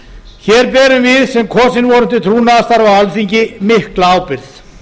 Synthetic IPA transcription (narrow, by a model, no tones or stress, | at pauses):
çɛːɾpɛːɾʏmvɪðsɛmkʰɔːsɪnvɔːɾʏm̥nt̪ɪt̪ʰɾuːnaðast̪aɾawalθiɲcɪmɪhklaaːwpɪɾθ